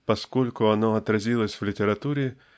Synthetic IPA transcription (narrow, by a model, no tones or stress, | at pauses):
pɐskolʲkʊɐnoɐt̪ɾɐzʲilˠəsʲvlʲɪtʲɪɾɐt̪uɾʲɪ